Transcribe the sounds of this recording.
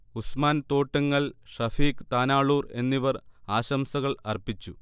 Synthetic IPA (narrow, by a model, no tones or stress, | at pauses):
usmaːnt̪o̞ːʈːɐŋːɐɭʂɐfiːkt̪aːnaːɭuːre̞̰nːiʋɐraːɕɐmsɐɣɐɭɐ̰rpit͡ɕːu